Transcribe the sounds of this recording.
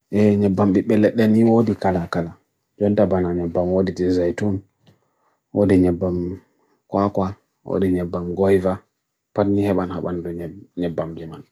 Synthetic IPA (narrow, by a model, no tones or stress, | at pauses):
ʔɛɲɛbːambiɓɛlːɛɗɛniodikalakala | d͡ʒɔntabanaɲɛbːamwodid͡ʒɛzajtun | wodiɲɛbːam | kwakwa | wo̰diɲɛbːamɡɔjva | patnihɛɓanha̰ɓandɔɲɛbːamd͡ʒɛman